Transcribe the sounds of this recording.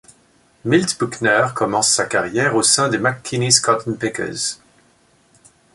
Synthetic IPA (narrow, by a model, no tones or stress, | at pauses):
milt̪buknœʁkɔmɑ̃sːakaʁjɛːʁosɛ̃d̪emakʰːiniskɑt̪npɛkə̰z̥